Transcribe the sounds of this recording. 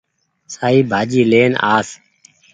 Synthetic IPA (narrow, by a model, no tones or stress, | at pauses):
saːiːbʱaːd͡ʒiːleːna̰ːs